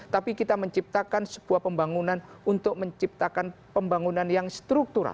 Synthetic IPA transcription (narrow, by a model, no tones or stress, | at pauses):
t̪apikit̪aməɲt͡ʃip̚t̪akansə̥b̥uahpəmbaŋunanunt̪ʊk̚məɲt͡ʃip̚t̪akan | pəmbaŋunanjaŋst̪ɾuk̚t̪uɾa̰l